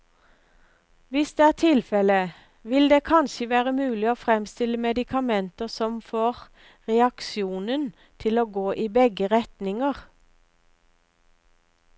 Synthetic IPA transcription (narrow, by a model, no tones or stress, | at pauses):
ʋɪsd̪eːæːʁt̪ʰɪlfɛlə | ʋɪld̪eːkʰɑnʃəʋæːʁəmʉːlɪoːfʁɛmst̪ɪləmɛd̪ɪkʰɑmɛnt̪əʁsɔmfoːʁ | ʁɛɑkʃjuːnən | t̪ʰɪloːɡoːʔiːbɛɡəʁɛt̪nɪŋəʁ